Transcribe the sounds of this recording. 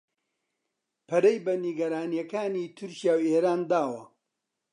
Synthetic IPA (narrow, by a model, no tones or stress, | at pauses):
pʰɐɾɐjbɐniɡɐɾaːnijɐkaːniːt̪ʰʊɾcijaːweːɾaːnd̪aːwɐ̰